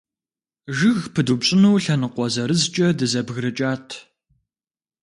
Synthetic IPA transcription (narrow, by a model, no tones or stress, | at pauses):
ʒɨɣpʰɨdupɕʼɪnuːɬɐnɨqʷɔzɐɾɨzt͡ʃʼɐdɨzɐbɣrɨt͡ʃʼaːtʰ